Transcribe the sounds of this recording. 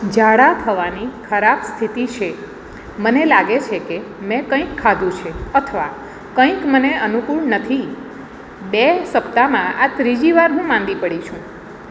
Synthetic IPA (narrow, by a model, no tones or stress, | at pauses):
d͡ʒaɽat̪ʰəʋanikʰəɾabst̪ʰit̪it͡ʃʰe | mənelaɡet͡ʃʰekemɛ̃kə̃ĩkʰːad̪ʱũt͡ʃʰeət̪ʰəʋa | kə̃ĩkməneənukuɭnət̪ʰi | besəpt̪amãat̪ɾid͡ʒiʋaɾɦũmãnd̪ipəɽit͡ʃʰũ